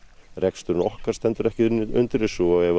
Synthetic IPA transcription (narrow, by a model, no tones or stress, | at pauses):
rɛkst̪ʏɾɪnɔhkaɾ̥st̪ɛnt̪ʏɾɛhcɪʏ̰nt̪ɪɾɪsuajɛv